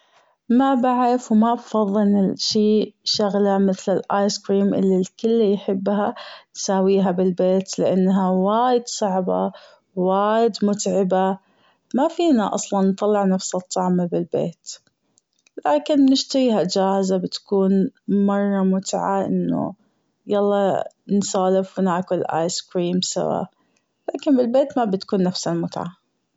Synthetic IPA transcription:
mabaʕɾɪfwmabfɑðˤːɨlʃiːʃaɣlamɪθlɪlʔaːjskɾiːmʔɪ̰lːilkɪlːijħɪbːɦansaːwiːɦabɪlbeːt̪lɪʔanːɦawaːjɪd̪sˤɑʕba̰ | waːjɪd̪mʊt̪ʕɪba | mafiːnaʔɑ̰sˤlɑnːt̪ˤɑlːɪʕnafsɑt̪ˤːɑʕmabɪlbḛːt̪ | laːkɪnnɪʃt̪aɣiːɦad͡ʒaːhɪzabɪt̪ḁkuːnmɑrˤːɑmʊt̪ʕaʔɪ̰nːṵ | jɑlˤːɑːnsˤɑːlɪfwɪnaːkʊlʔa̰ːjskɾiːmsa̰wa̰ːʔ | laːkɪnbɪlbeːt̪mabɪt̪kuːnːafsamʊt̪ʕa̰

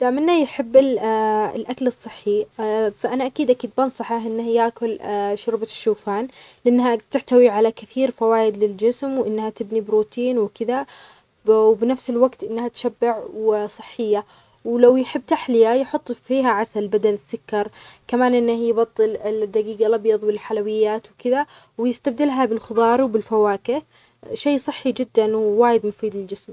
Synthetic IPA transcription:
d̪̥aːʔmɪnːajħɪbːɪ̰ | lʔakalɨsˤːɨħːifaʔanaʔakiːd̪ʔakiːd̪̚bɑnsˤɑħɑhʔɪnːahjaːkʊlʃʊɾbaʃːuːfaːnlɪʔɪnːhat̪ɪħt̪awiʕalakɪθiːɾfawaːjɪd̪lɪld͡ʒɪsmwʔɪnːhat̪ɪbnibɪɾuːt̪iːnwɪkɪða | bnafsɪlwaɡt̪ʔɪnːhat̪ʃabːɪʕwɪsˤɨ̥ħːɪjːa | wlawjħɪbːt̪aħlɪjajħʊt̪ˤːfiːɦaʕasalbad̪alɪsːʊkːɑɾˤkamaːnʔɪnːahjbɑt̪ˤːɨlɪd̪ːaɡiːɡalʔɑbjɑðˤwɪlħalawɪjːaːt̪wkɪða | wɪjɪst̪ab̚d̪ɪlɦabɪlxɨðˤɑːɾˤwbɪlfawaːkɪ | ʃeːsˤɨħːid͡ʒɪd̪ːanwwaːjɪd̪mʊfiːd̪lɪld͡ʒɪsm

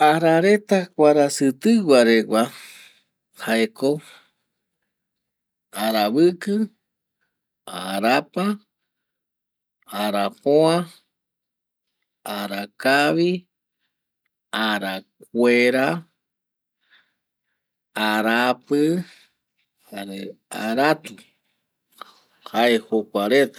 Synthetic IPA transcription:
aɾaɾet̪akʷaɾasɨt̪ɨɡʷaɾeɡʷa | haeko | aɾaβɨkɨ | a̰ɾapa | aɾapoa | aɾakaβi | aɾakweɾa | aɾapɨ | haɾeaɾat̪u | haehokʷaɾet̪ḁ

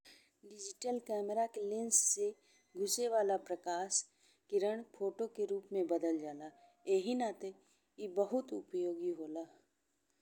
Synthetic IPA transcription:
ɖɪd͡ʒɪʈəlkɛːməɾakelɪ̃nsːe | ɡʱʊseʋaːlapɾɐkaːʃ | kiɾəɳ̃pʰoːʈokeɾuːpmẽbəd̪əld͡ʒaːlaːeːɦinat̪e | ibəɦʊt̪ʊ̰pjoːɡiɦoːlaː

